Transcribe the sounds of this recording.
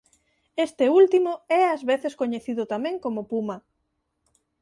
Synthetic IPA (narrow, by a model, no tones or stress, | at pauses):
est̪eult̪imʊɛazβeθeskoɲeθiðʊt̪amẽŋkomʊpumɐ